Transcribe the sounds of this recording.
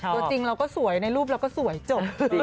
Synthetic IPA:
t̪ːu˧t͡ɕi˧ŋɾa˧wkɔː˥˩su˨˩˦əjna˧jɾuː˥˩p̚ɾa˧wkɔː˥˩su˨˩˦jt͡ɕo˨˩p̚

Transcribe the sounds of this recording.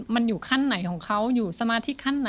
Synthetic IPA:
ma˧njuː˨˩kʰa˥˩nːa˩˦jkʰɔː˩˦ŋkʰa˦˥wjuː˨˩sa˧maː˧t̪ʰi˦˥kʰːa˥˩nːa˩˦

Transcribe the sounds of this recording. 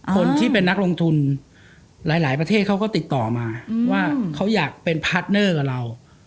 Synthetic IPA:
kʰo˧nt̪ʰiː˥˩pe˧nːa˦˥k̚lo˧ŋt̪ʰu˧n | laː˩˦jlaː˩˦jpɾa˧t̪ʰeː˥˩t̪̚kʰa˦˥wkɔː˥˩t̪i˨˩t̪ːɔː˨˩maː˧waː˥˩kʰa˦˥wjaː˨˩k̚pe˧npʰaː˦˥t̪̚nɤː˥˩ka˨˩ɾa˧w

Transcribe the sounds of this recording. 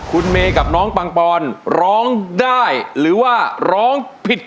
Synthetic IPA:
kʰu˧nmeː˧ka˨˩p̚nɔː˦˥ŋpa˧ŋpɔː˧nɾɔː˦˥ŋdaː˥˩jɾɯː˩˦waː˥˩ɾɔː˦˥ŋpʰi˨˩t̪̚

